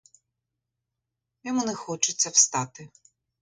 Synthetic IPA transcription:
jʲɔmunɛxɔt͡ʃɪt͡sʲːɐwst̪ɑt̪ɪ

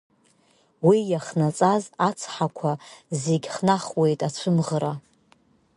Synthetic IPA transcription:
wijaχnat͡sʼazat͡sʰħakʷʰazeɡʲχnaχwe̞jtʼat͡ɕʷʰɨmʁəɾa

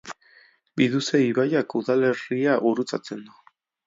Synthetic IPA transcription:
biðuseiβajakuðale̞riaʔuɾut͡sa̰t͡se̞nd̪u

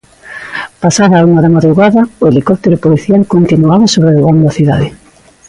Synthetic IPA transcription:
pasaðauŋaðamaðɾuɣaðɐʊelikɔp̚t̪eɾopoliθjalkont̪inuaβasoβɾeðoɣand̪oɐθiða̰ðe

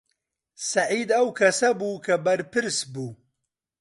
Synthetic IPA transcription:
sɐʕiːd̪ɐwkʰɐsɐbuːkʰɐbɐɾpɨɾsbuː

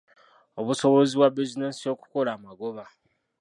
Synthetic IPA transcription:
o̞βuso̞βoziβwabizinesio̞ku̥ko̞laːmaɡo̞βa

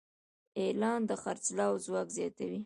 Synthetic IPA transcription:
elɑnd̪əxaɾt͡slɑwzwɑkzjɑt̪awi

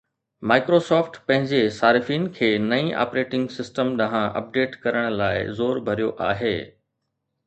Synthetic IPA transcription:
maːɪkɾosɔːfʈpɐ̃ɦɪ̃ɲd͡ʑesaːɾɪfiːnkʰeːnɐĩʔa̰ːpɾeːʈɪ̃ŋɡsɪsʈəmɗɐɦãʔɐ̰p̚ɖeːʈkɐɾəɽ̃laːɪ̰zoːɾbʱɐɾijoʔaːɦeː

